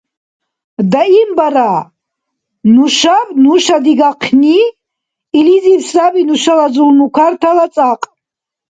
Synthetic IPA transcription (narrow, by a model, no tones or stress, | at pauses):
d̪aimbaɾa | nuʃavnuʃad̪iɡaqʰni | ilizipsrabinuʃalazulnukʷʰart̪ʰalat͡sʼaqʼ